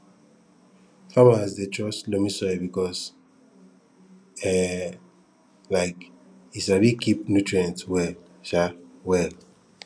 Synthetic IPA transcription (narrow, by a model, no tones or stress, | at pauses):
famazdet͡ʃɔslomisɔbikɔs | ɛ | laɪk | isabikʰipnutɹiãntwɛl | ʃawɛl